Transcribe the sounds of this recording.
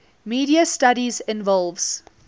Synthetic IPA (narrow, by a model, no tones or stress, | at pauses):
miːɾiəstaɾizɪ̃nvɔlˠvz̥